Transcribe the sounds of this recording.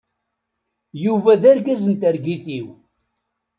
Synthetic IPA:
juvæðæɾɡæzənt̪æɾɡiθiw

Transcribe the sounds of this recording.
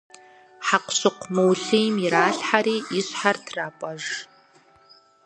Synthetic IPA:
ħaqʷɕɨqʷmɨwɬijmjɪɾaːɬħaɾiːɪɕħartʰraːpʷʼɐʒ

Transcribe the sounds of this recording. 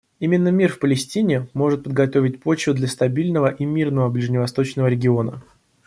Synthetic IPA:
imʲɪnːəmʲirfpəlʲɪsʲtʲinʲɪmo̞ʐɨt̪̚pəd̪̚ɡɐt̪o̞vʲɪt̚ʲpot͡ɕʊd̪lʲɐst̪ɐbʲilʲnəvəʔimʲirnəvəblʲɪʐnʲɪvɐst̪o̞t͡ɕnəvəɾʲɪɡʲɪo̞nə̰

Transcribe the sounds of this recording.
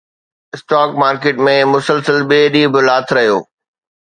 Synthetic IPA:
ɪsʈaːkmaːɾkeːʈmẽmʊsəlsəlɓeːɗiːbɪlaːt̪ʰɾɐɦijo̰ː

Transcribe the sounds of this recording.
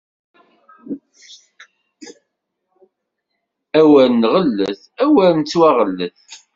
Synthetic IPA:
æwælnʁəlːəθ | æwælnt͡sːwæʁəlːəθ

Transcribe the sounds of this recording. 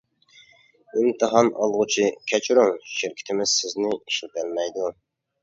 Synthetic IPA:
ɪmt̪ʰɨɦɑnɑlˠʁʊt͡ʃʰikʲʰɛt͡ʃʰɾuŋʃɪɾkʲʰɪ̥t̪ʰɪmɪz̥sɪznɪiʃilt̪ælmɛjd̪u

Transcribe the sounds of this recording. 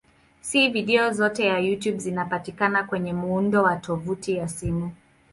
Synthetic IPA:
siviɗɛɔzɔtɛjajutjubzinapatikanakwɛɲɛmuundɔwatʰɔvutijasimu

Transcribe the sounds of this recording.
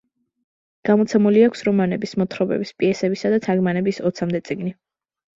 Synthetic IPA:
ɡ̥amɔt̪sʰɛmuliakʷʰsɾɔmanɛbismɔt̪ʰɾɔbɛ̰bispʼiɛsɛbisad̪at̪ʰaɡmanɛbisɔt̪sʰamd̪ɛt̪sʼiɡni

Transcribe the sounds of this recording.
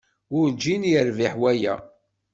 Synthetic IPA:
ʊɾd͡ʒinjəɾviħwæjæ̰

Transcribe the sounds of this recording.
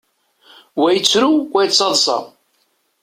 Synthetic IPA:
wæjət͡sːɾuwæjət͡sːɑðˤsˤɑ̰

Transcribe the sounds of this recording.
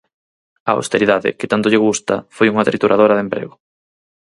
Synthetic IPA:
ɐa̰wst̪eɾiðaðɪ̰kɪt̪ant̪ʊʎɪɣ̞ust̪ɐ̰fojuŋɐt̪ɾit̪uɾʔaðoɾɐðempɾḛɣʊ

